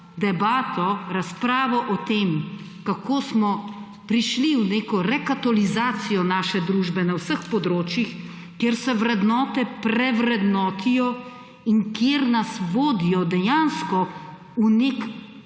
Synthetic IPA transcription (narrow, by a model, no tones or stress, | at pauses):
d̪ɛbaːt̪ɔɾaspɾaːʋɔʔɔt̪eːm | kakʰoːsmɔ | pɾiʃliwneːkɔɾɛkat̪ɔlizaːsijɔnaːʃɛd̪ɾuːʒbɛnawsəxpɔd̪ɾoːt͡ʃjix | kjeːɾsɛʋɾɛd̪nɔːt̪ɛpɾɛʋɾɛd̪nɔːt̪ijɔ | iŋkjeːɾnasʋoːd̪ijɔd̪ɛjaːnskɔ | unek